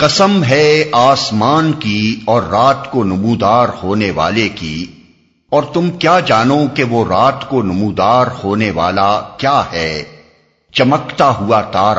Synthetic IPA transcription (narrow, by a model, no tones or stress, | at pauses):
qɐsəmɦɛaːsmaːnkiɔːɾːaːt̪konʊmuːd̪aːɾhoːneʋa̰ːlekḭ | ɔːɾt̪ʊmkjaːd͡ʒaːnokeʋoɾaːt̪konʊmuːd̪aːɾhoːneʋa̰ːlakjaːɦɛː | t͡ʃɐməkt̪aɦuat̪aːɾ